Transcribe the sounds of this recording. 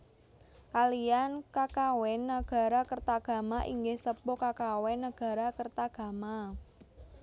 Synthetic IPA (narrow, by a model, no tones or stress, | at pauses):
kalijankakawɛnːəɡ̥a̤ɾakərt̪aɡ̥a̤maʔiŋɡɪhsəpokakawɛnːəɡ̥a̤ɾakərt̪aɡ̥a̤ma